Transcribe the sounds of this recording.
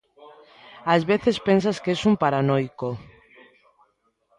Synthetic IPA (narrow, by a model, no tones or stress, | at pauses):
azβeθespens̬askesumpaɾanojko